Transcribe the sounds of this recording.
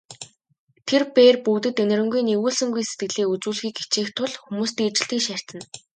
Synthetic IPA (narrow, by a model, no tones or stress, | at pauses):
t̪ʰerpeːrpuwt̪ɘ̆t̪ɵnʲɪ̆ɾɵ̆ŋɡujnewuːɮsɘ̆ŋɡujse̥t̪̚ɡɘ̆ɮiːkut͡suːɮxiːke̥t͡ɕeːxt̪ʰːʊɮxumuːst̪iːt͡ɕɪ̆ɬt̪iːkʃær̥ʲt̪ə̆n